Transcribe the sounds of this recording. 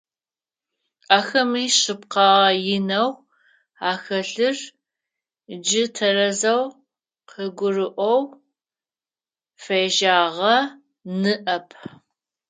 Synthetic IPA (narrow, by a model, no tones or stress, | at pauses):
aːxɐmiːɕɨp̚qɑːʁɐjɪnɐw | aːxɐɬɨr | d͡ʒɪtʰɐrɐzɐw | qʰəɡʷʊrɨʔʷɔw | fejʒaːʁɐ | nɨʔɐpʰ